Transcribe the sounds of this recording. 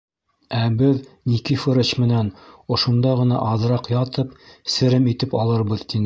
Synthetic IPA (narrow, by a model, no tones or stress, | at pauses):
æbɘðnikifɤ̆ɾɤt͡ɕmɘ̆nænŏʃŏnd̪ɑʁɤ̆nɑ̰ʔɑðɾɑqjɑt̪ɤpsɘ̆ɾɘmit̪ɘpɑlˠɤ̆ɾbɤðt̪inɘ